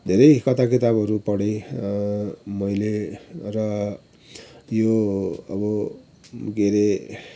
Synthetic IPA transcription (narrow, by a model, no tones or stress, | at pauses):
d̪ʱeɾʌjkʌt̪ʰakit̪abʌɾupʌɽe | mʌjlerʌ | joʌbʌ | ɡeɾe